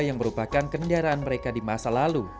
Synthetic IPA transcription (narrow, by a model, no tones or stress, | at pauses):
jaŋməɾupakankəndaɾaanməɾekadimasalalu